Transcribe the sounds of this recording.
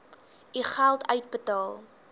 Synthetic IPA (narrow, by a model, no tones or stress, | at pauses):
iχælˠtʰœɥt̚bətɑːlˠ